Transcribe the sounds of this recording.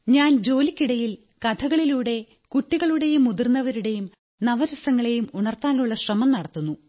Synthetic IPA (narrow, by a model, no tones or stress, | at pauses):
ɲaːnd͡ʑo̞ːlikʲːiɽɐjil | kɐt̪ʰɐɣɐɭiluːɽe̞ | kuʈːiɣɐɭuɽe̞jumːud̪irnːɐʋɐɾuɽe̞jum | nɐʋɐɾɐsɐŋːɐɭe̞jumuɳɐrt̪aːluɭːɐɕrɐmɐmnɐɽɐt̪ːunːu